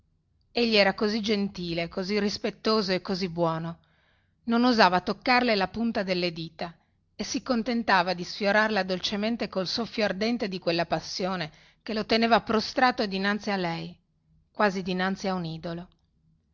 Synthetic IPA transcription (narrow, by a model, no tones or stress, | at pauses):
eʎːiɛːɾakozid͡ʒent̪iːlekozirispet̪ːoːzoekːozibwɔːno | nonuzaːvat̪okːarlelapunt̪ad̪elːed̪iːt̪a | esikːont̪ent̪aːvad̪isfjoɾarlad̪olt͡ʃement̪ekolsofjoard̪ɛnt̪ed̪ikwelːapasːjoːne | kelot̪eneːvapɾost̪ɾaːt̪od̪inant̪sialːɛj | kwaːzid̪inant̪siauniːd̪olo